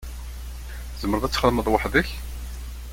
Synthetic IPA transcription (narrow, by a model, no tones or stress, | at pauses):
zəmːəɾðæt͡sːχðməðˤwɑħðəç